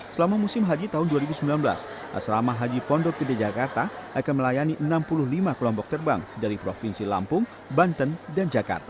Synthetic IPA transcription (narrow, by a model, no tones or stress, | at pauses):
səlamamusɪmɦad͡ʒit̪aɦʊnduaɾibusəmbilanbəla̰s | ʔa̰sɾamaɦad͡ʒipɔndɔɡədad͡ʒakart̪aʔakanməlajaniʔənampulʊhlimakəlɔmpɔk̚t̪ərba̰ŋdaɾipɾofinsila̰mpʊŋ | bant̪əndand͡ʒaka̰rt̪a